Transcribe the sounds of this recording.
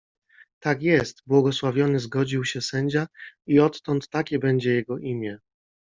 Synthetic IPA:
t̪akjɛst̪bwɔɡɔswavʲjɔnɘzɡɔd͡ʑiwɕɛsɛɲd͡ʑaiɔt̪ːɔnt̪ːakʲɛbɛɲd͡ʑɛjɛɡɔʔimʲjɛ

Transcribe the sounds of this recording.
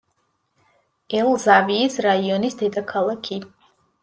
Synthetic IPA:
ɛlˠzaviːsɾaiɔnisd̪ɛd̪akʰalˠakʰi

